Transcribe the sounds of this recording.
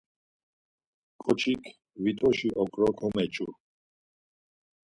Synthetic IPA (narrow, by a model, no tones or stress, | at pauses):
kʼɔt͡ʃʰikʰ | vit̪ʼɔʃiʔɔkʼɾɔkʰɔmɛt͡ʃʼu